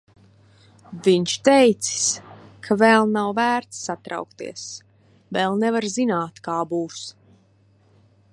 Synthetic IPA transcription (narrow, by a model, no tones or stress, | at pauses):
viɲt͡ʃt̪ɛjt̪si̥s | kʰavɛlˠnawvæːɾt̪sːat̪ɾa̰wkt̪ḭɛəs | vɛːlˠnɛvaɾzinaːt̪kaːbuːs